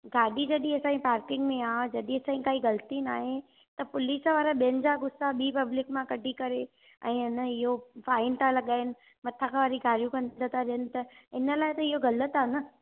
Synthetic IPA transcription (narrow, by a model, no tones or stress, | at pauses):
ɡaːɖid͡ʑɐɗĩesãːĩpaːɾkɪ̃ŋɡmẽaːd͡ʑɐɗĩesãːĩkaːiɡɐlt̪inaːɦe | t̪ɐpʊlisʋaːɾaɓijənɪ̆d͡ʑaɡʊsaɓiːpɐblɪkmãkɐɖʱikɐɾe | ɛ̰̃ːɪnəɪɦofaːɪnt̪ʰãlɐɠaːɪnɪ̆ | mɐt̪ʰakʰãʋaːɾiɡʱaːɾijũkɐ̃nd̪ət̪ʰaɾɪɦənɪ̆t̪ɐɪnəlaːɪt̪ɐɪɦoɡɐlət̪anə